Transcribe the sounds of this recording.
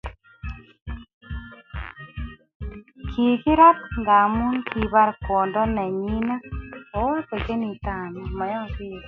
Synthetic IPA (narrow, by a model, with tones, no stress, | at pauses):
kʰi˨ki˦ɾa˦tŋɡa˨mu˦nkʰi˨βa˦ɾko˨ndɔ˦nɛ˨ɲi˦na˦o˨˦wa˦ke˨ke˦ni˨ta˨ni˨mɔ˨˦jɔ˦ki˦ɾ